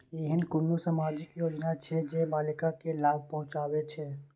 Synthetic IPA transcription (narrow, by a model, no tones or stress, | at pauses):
eɦɪnkʊnːosəmaːd͡ʒɪkjoːd͡ʒnat͡ʃʰɛd͡ʒeːbaːlɪkakelaːb̚ʱpɐɦʊ̃t͡ʃaːwet͡ʃʰɛː